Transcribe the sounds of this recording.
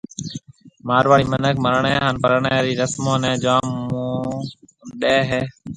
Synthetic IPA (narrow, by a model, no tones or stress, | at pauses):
maːɾʋaːɽiːmənəkʰməɾəɳẽːɦaːnpəɾɳeːɾiːɾəsmõːnẽːd͡ʒaːmːũː | ɗeːɦeː